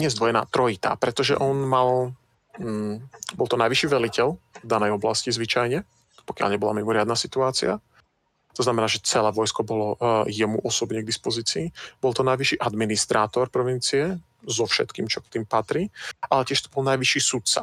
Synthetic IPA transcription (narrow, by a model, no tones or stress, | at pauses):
ɲɛzd̪ʋɔjɛna̰ːt̪ɾɔit̪a̰ːpɾɛt̪ɔʒɛ̰ʔɔnmalː | bɔlˠt̪ɔnajʋiʃiːʋɛlicɛlvd̪anɛjɔblascizʋit͡ʃajɲɛ | pɔkja̰lɲɛbɔla̰mimɔɾɪad̪nasit̪uaːt͡sḭa | t̪ɔznamɛnaːʒɛt͡sɛlɛːʋɔjskɔbɔlɔjɛmṵʔɔsɔbɲɛɡ̚d̪ispɔziːt͡siːbɔlˠt̪ɔnajʋiʃiːʔad̪minist̪ɾʔaːt̪ɔɾpɾɔʋint͡siɛ | zɔfʃɛ̰t̪kḭːmt͡ʃɔkt̪iːmpat̪ɾiːʔalɛcɪɛʃt̪ɔbɔlnajʋiʃiːsut̪t͡sa̰